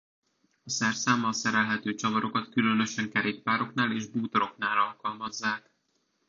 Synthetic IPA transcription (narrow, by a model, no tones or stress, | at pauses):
ɒsɛrsaːmɒsɛɾɛlɦɛt̪øːt͡ʃɒvɒɾo̞kɒt̪kylø̞nø̞ʃɛŋkɛɾeːk̚paːɾo̞knaːleːʒbuːt̪oɾo̞knaːlɒlkɒlmɒzːaːk